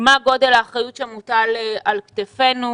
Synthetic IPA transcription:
maɡo̞delaːχʁajut̪ʃemutalalkt̪efe̞nu

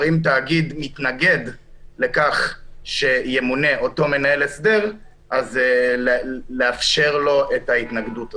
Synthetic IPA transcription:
imtaːɡidmitnaɡe̞dle̞kaχʃe̞jemune̞ʔo̞to̞me̞nae̞lesde̞ʁ | ʔaz | leafʃe̞ʁlo̞ʔe̞thaitnaɡduta

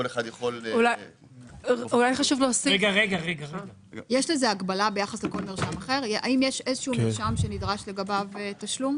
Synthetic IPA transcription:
oleχad̪jaχolulaj | ulajχaʃuvloosieɡaʁeɡaʁeɡaʁe | jeʃlezeaɡbalabe̞jaχasleko̞lmiʁʃamaχe̞ʁʔa̰imjeʃezeʃuumiʁʃamʃe̞nidʁaʃle̞ɡabavetaʃlum

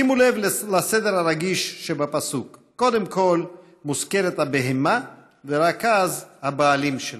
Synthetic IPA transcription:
imulevllased̪eɾhaɾaɡiʃʃebapasukːo̞d̪e̞mko̞l | muske̞ɾet̪habeɦema | veɾakazhabaːlimʃel

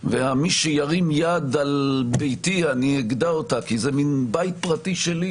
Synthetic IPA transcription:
veamiʃejaʁimjad̪albejtianieɡd̪aotakizeminbajt̪̚pʁatiʃeli

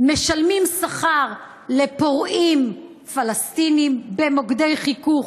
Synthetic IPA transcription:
meʃalmimsaχaʁ | lepoʁim | falast̪inimbemoɡd̪e̞jχikuχ

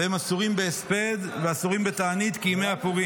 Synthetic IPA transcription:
emasuʁimbeːsped̪veasuʁimbet̪aːnit̪kimejapuʁi

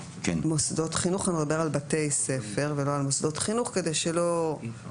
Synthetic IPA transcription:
kmosdo̞t̪χinuχanid̪abeʁalbate̞jse̞fe̞ʁveloalmosd̪o̞t̪χinuχkede̞jʃelo

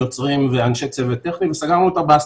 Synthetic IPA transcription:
ot͡sʁimveanʃek̚selvet̪eχnivesaɡaʁnuːt̪abeas

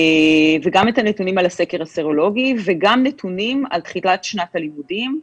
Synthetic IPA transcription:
veɡametanetunimalase̞keʁaseʁo̞lo̞ɡiveɡamnetʰunima̰lt̪χilatʃnathalimudim

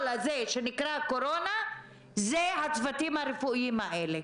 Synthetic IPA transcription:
lazeʃe̞nikɾako̞ɾo̞na | zeɦat͡svatimhaɾefuiimhaʔele

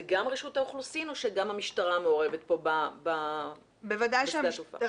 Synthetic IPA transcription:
ɡamʁiʃut̪aoχlusino̞ʃeɡamhamiʃtaʁameo̞ʁe̞vet̪̚po̞baba | bevadajʃeaatufa̰

